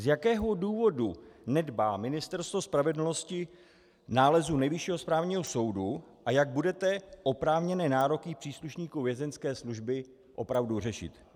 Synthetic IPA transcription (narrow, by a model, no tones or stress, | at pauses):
zjakɛːɦo̞duːvo̞dunɛdbaːmɪnɪst̪ɛɾst̪vo̞spɾavɛdl̩no̞scɪ | naːlɛzunɛjvɪʃiːɦospɾaːvɲiːɦoso̞wduʔajaɡ̚budɛt̪ɛʔo̞pɾaːvɲɛnɛːnaːɾo̞kɪpr̝̥iːsluʃɲiːkuvjɛzɛnskɛːsluʒbɪ | ʔo̞pɾavdurɛʃɪ̰t̪